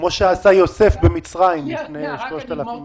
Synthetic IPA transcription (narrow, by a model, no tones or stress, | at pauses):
mo̞ʃeasajo̞se̞fbemit͡sʁaimlifneʃlo̞ʃt̪alafim